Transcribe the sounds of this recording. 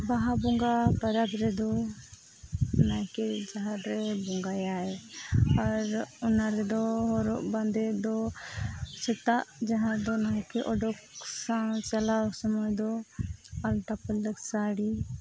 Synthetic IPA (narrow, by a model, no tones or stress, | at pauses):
baɦabɔŋɡapaɾaɡɾɛd̪ɔ | naɦɛ̃kɛd͡ʒaɦaɾɾɛbɔŋɡajaɛaɾunaɾɛd̪ɔɦɔɾɔʔband̪ɛd̪ɔ | t͡ʃɛt̪aʔd͡ʒaɦãɾd̪ɔnaɦɛ̃kɛʔɔɖɔksat͡ʃalawsɔmɔjd̪ɔ | alʈapəlːəksaɽi